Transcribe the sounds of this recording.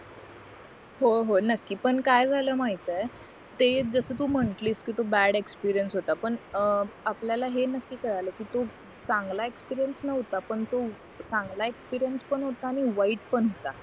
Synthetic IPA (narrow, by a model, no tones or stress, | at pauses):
ɦoɦonəkːiːpəɳkajd͡zʱaləːmaɦit̪əj | t̪ed͡zəsəːt̪um̤əɳʈliskiːt̪obæɽekspiɾijənsɦot̪apəɳapljalaɦenəkːiːkəɽajləːkiːt̪o | t͡sãŋɡlaekspiɾijənsnəɦot̪apəɳt̪o | t͡sãŋɡlaekspiɾijənspəɳɦot̪aːɽ̃iʋaiːʈpəɳɦot̪a